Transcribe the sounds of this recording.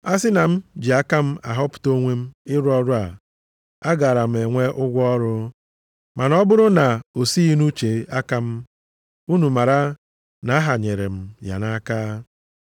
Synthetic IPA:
a˦sɪ˦na˨m̩˦d͡ʒi˨a˦ka˦m̩˦a˨ɦɔ˦pʊ̥˨to˦ŋʷe˦m̩˦ɪ˦ɾʊ˦ɔ˦ɾʊ˦a˨ | a˦ɡa˨ɾa˨m̩˨e˨ŋʷe˦ʔʊ˦ɡʷɔ˦ɔ˦ɾʊ˦ | ma˨nɔ˦bʊ˦ɾʊ˦na˨o˨si˦i˦nu˦t͡ʃe˨a˦ka˦m̩˦ | u˦nu˨ma˨ɾa˦ | na˨a˦ɦa˨ɲe˨ɾe˨m̩˦ja̰˨na˦kaː˦

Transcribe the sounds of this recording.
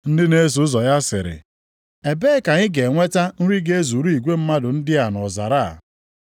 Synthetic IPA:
n̩˦dɪ˦ne˦s̬u˨˦zɔ˨ja˦sɪ˨ɾɪ̰˨ | e˨beː˦ka˨ɲɪ˦ɡe˨ŋʷe˦ta˦n̩˦ɾi˦ɡe˦e˦zu˨ɾi˦i˨ɡʷe˦m̩˦ma˦dʊ˨n̩˦dɪ˦a˨nɔ˨za̰˨ɾa̰˦˨

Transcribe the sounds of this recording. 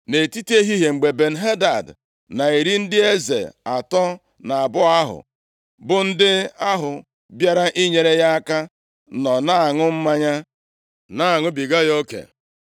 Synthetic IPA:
ne˨ti˦te˦ɦi˦ɦe˨ŋ͡m̩˨ɡ͡be˨be˨n̩˨ɦe˦da˨d | na˨i˨ɾi˦n̩˦dɪ˦e˦zḛ˨a˨tɔ˦ | na˨a˨bʊ˦a˦ɦʊ̰˨ | bʊ˨n̩˦dɪ˦a˦ɦʊ˨ | bja˦ɾa˦ʔi˦ɲe˨ɾe˦ja˦a˦ka˦ | nɔ˨na˦˨ŋʊ˦m̩˦ma˦ɲa˦ | na˦˨ŋʊ˦bi˨ɡa˦jo˦kḛ˨

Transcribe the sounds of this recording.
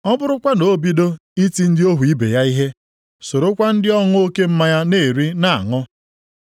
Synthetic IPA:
ɔ˦bʊ˦ɾʊ˦kʷa˦no˨˦bi˦do˦i˦ti˦n̩˦dɪ˦o˦ɦu˨i˦bḛ˨ja˦i˦ɦe˦ | so˨ɾo˦kʷa˦n̩˦dɪ˦ɔ˦ŋʊ˦o˦ke˦m̩˦ma˦ja˦ne˦˨ɾi˦na˨a̰˨ŋɔ˦

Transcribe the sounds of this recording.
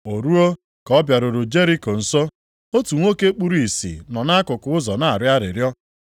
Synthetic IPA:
o˨ɾu˦o˦ | kɔ˦bja˨ɾo˨ɾo˨d͡ʒe˦ɾi˦ko˨n̩˨so˦ | o˦tu˨ŋʷo˦ke˦k͡pu˦ɾu˦i˨sḭ˨nɔ˨na˦a˦kʊ˨kʊ˨ʊ˦zɔ˨na˨a˨ɾɪ˦a˦ɾɪ˨ɾjɔ˦

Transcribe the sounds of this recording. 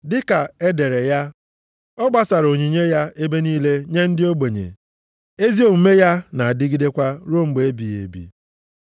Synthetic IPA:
dɪ˦ka˨e˦de˨ɾe˨ja˦ | ɔ˦ɡ͡ba˦sa˨ɾo˨ɲi˨ɲe˦ja˦e˦be˦niː˦le˦ɲe˦n̩˦dɪ˦o˦ɡ͡be˨ɲḛ˨ | e˦zi˦o˦˨m̩˦me˦ja˦na˨a˨dɪ˦ɡi˦de˦kʷa˦ɾo˦ŋ͡m̩˦ɡ͡be˨e˦bi˨ḛ˨bḭ˨

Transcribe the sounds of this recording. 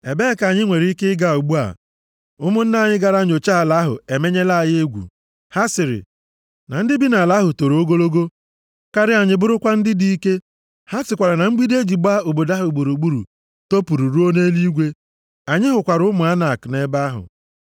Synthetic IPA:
e˨be˦˨ka˨ɲɪ˦ŋʷe˨ɾi˦kɪ˦ɪ˦ɡa˦˨o˨ɡ͡bu˦a̰˨ | ʊ˦mʊ˦n̩˦na˦˨ɲɪ˦ɡa˨ɾa˦ɲ˨o˨t͡ʃa˦a˨la˦ɦʊ̰˨e˨me˦ɲe˦la˦˨je˦ɡʷṵ˨ | ha˦sɪ˨ɾɪ̰˨ | na˨n̩˦dɪ˦bi˦na˨la˨˦ɦʊ˨to˨ɾo˦ɡo˦lo˦ɡo˦ | ka˦ɾɪ˦a˨ɲɪ˨bʊ˦ɾʊ˦kʷa˦n̩˦dɪ˦di˦i˦ke˦ | ha˦sɪ˨kʷa˨ɾa˨na˨ŋ͡m̩˦ɡ͡bi˦de˦d͡ʒi˨ɡ͡ba˦o˨bo˨da˦ɦʊ˨ɡ͡bo˨ɾu˨ɡ͡bu˦ɾṵ˨ | to˦pu˨ɾu˨ɾu˦o˦ne˦li˦ɡʷe˦ | a˨ɲɪ˦ɦʊ˨kʷa˨ɾʊ˦mʊ˨a˦na˨kne˦ba˦ɦʊ̰˨

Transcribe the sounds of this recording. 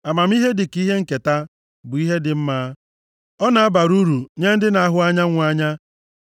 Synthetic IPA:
a˨ma˨m̩˦i˦ɦe˦dɪ˨ki˦ɦe˦ŋ̩˨ke˨ta˦ | bʊ˨i˦ɦe˦dɪ˨m̩˦maː˦ | ɔ˦na˨a˦ba˨ɾu˦ɾu˨ɲe˦n̩˦dɪ˦na˨a˦ɦʊ˦a˦ɲa˦ŋʷ˦a˦ɲa˦

